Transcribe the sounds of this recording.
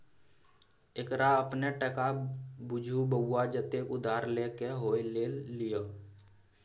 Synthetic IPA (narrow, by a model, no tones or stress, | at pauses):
ekɾaəpneʈəkabʊd͡ʒʱubəɡːad͡ʒət̪eːkʊd̪ʱaːɾleːkeɦoːileːlːijoː